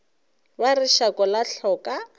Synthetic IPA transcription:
barɪʃakʼɔlaɬɔkʼa

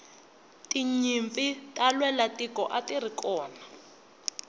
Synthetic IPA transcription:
tiɲiɱpitʼalwɛlatikɔ̰ʔatirikɔːna

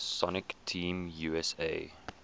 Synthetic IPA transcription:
sɔnɪktʰĩːmjuɛsḛɪ

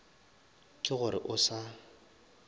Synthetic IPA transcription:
kʼɪɣʊɾɪ̰ʔʊsa

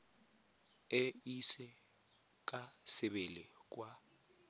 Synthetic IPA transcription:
ɛisɛ | k̬ʼasɪɓelɪk̬ʼwa

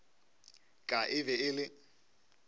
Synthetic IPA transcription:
kʼaʔɪbɛɪlɪ

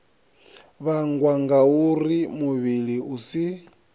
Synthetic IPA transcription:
βaŋɡwaŋɡaurimuβiliusi

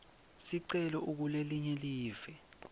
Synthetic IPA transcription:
siǀɛlɔʔuk̬uleliɲɛliːv̥ɛ

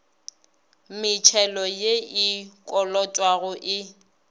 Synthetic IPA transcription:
mɪt͡ʃʰɛlɔjeikʼɔlɔtʼwaɣʊʔɪ

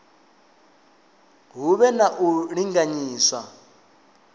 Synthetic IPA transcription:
ɦuβɛnaʔuɺiŋɡaɲiːswa̰

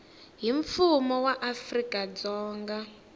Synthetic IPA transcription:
ɦiɱfumɔwaʔafrikʼad͡zɔːŋɡa

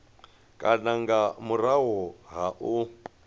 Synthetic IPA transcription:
kʼanaŋɡamuɾaɦɔɦaʔu

